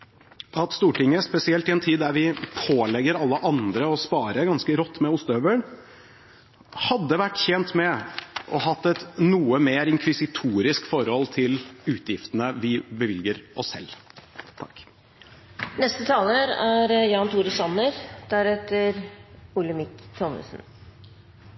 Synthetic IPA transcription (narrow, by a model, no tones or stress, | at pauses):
ɑt̪st̪uːʈɪŋːəspɛsɪɛlt̪ɪɛnt̪ʰiːd̪ːæɾʋɪpʰoːlɛɡːəɾɑlːəʔɑnd̪ɾəɔspɑːɾəɡɑnskəɾɔt̪ːmɛʊst̪øːʋəɳ | hɑd̪ːəʋæʈːçɛnt̪mɛʔɔɦɑt̪ːɛt̪nuːəmeːɾɪŋkʰʋɪsɪt̪ʰuːɾɪskfɔɾhɔlt̪ʰɪlʉːt̪jɪft̪ənəʋɪbəʋɪljəɾɔsːɛ̰lːt̪ʰɑkː | nɛst̪ət̪ʰɑːləɾæɾjɑːnt̪ʰuːɾəsɑnəɾd̪̥æɾɛt̪ːəɾpʊləmɪkt̪ʰɔmə̰sn̩